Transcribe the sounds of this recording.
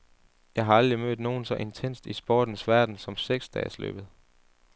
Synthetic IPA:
jɑ̈ɪɦɑ̈ɑ̈ld̥ʁimøðd̥ˠno̝ːn̩sɒ̽ʔe̝nt͡sʰen̰sd̥isb̥o̰ːd̥n̩sʋæɐd̥n̩sɒ̽mseɡ̥sd̥ɛ̰ːslø̰ːb̥ð̞̩ˠ

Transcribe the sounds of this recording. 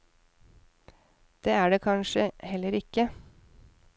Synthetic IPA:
d̪̥eːæːɖeːkʰɑnʃəhɛlːəɾɪkə

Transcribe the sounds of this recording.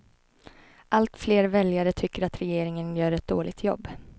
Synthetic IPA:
ʔalt̪fleːɾvɛljaɾət̪ʰʏkːəɾat̪ɾɛjeːɾɪŋənjœːɾɛt̪̚d̪oːlʔɪɡ̚t̪ʰjɔ̰bː

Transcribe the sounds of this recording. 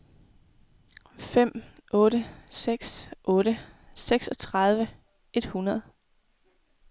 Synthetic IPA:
fem̰ʔɔ̽ːɾəseɡ̥sʔɔ̽ːɾəseɡ̥sɒ̽t͡sʰʁɑð̞ˠʋə | e̝d̥hunɐð̞̩ˠ

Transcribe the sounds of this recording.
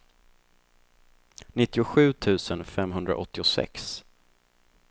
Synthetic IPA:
nɪt̪ːɪʊɧʉ̟ːt̪ʰʉ̟ːsənfɛmɦɵnd̪ɾa̰ʔɔt̪ːɪʊsɛ̰ks

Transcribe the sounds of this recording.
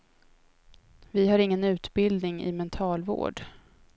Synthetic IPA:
vɪɦaɾɪŋːənʉ̟ːt̪bɪld̪nɪŋɪ̰mɛnt̪ʰɑːlvo̰ːɖ

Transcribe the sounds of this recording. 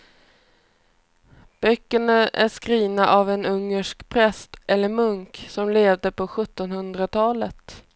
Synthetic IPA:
b̥œkːəɳaʔæʂkɾiːnaʔavɛnɵŋːəʂkpʰɾɛst̪ʔɛlːəɾmɵŋksɔmleːvd̪əpʰɔɧɵt̪ːɔnhɵnd̪ɾat̪ʰɑːlət̪

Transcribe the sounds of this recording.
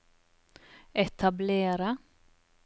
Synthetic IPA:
ɛt̪ʰableːɾa

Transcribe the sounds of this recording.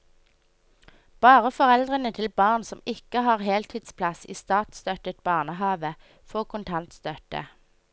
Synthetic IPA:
b̥ɑːʁəfɔʁɛld̪ʁənət̪ʰɪlbɑːʁnsɔmɪkəhɑːʁɦeːlt̪ʰiːd̪spʰlɑsḭːst̪ɑːt̪st̪œt̪ət̪̚bɑːʁnəhɑːʋə | foːʁkʰʊnt̪ʰɑnt̪st̪œt̪ə̰

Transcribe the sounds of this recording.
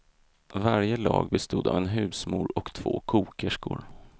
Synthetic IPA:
vaɾjəlɑ̰ːɡbɛst̪uːd̪avɛnɦʉ̟ːsmuːɾɔkt̪ʰv̥oːkʰuːkəʂkʊɾ

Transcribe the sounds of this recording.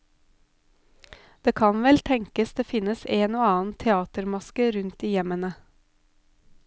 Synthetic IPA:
d̪̥eːkʰɑnʋɛlt̪ʰɛŋkəsd̪eːfɪnəseːnoːɑːn̩t̪ʰɛɑːt̪əɾmɑskəɾʉnt̪̚d̪iːjɛmənə

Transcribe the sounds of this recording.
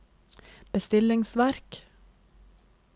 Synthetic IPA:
b̥əst̪ɪlɪŋsʋæɾk

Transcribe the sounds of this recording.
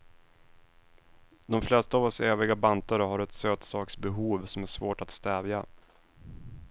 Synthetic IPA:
d̪ɔmflɛst̪aːvɔseːvɪɡabant̪aɾəɦaɾɛt̪søːt̪sɑːksbɛɦuːvsɔmæʂvoːʈat̪st̪ɛːvja

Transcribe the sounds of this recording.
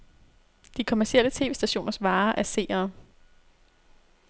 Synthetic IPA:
d̥ikʰo̝mæɐsiel̰ət͡sʰe̝̰ːʋe̝̰sd̥æɕo̝̰ːnɐsʋɑ̈ːʔæɐse̝̰ːɐː

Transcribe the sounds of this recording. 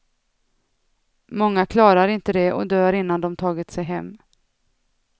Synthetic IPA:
mɔŋːakʰlɑːɾaɾɪnt̪əd̪ɛʔɔ̰d̪øːɾɪnːand̪ɔmt̪ʰɑːɡɪt̪sɛjɦɛmː

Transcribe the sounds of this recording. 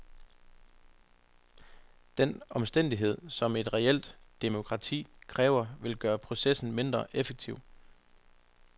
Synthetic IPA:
d̥enɒ̽msd̥en̰d̥iɦe̝ð̞̰ˠsɒ̽me̝d̥ʁɛel̰d̥d̥emo̝kʰʁɑ̈t͡sʰḭːkʰʁɛːʊɐʋe̝lɡ̥ɶːɐpʰʁo̝sesn̩me̝nd̥ʁɐʔefeɡ̥̚t͡sʰiʊ̰

